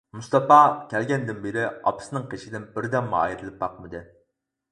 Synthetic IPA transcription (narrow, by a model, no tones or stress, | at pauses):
must̪ɑpɑkʲʰɛlɡʲɛnd̪ɪnbeɾɪɑ̰pɨ̥sɨnɨŋqʰeʃid̪ɪnbɪɾd̪ɛmːɨɑ̰jɾɨlˠɨp̚bɑqmɨd̪ɨ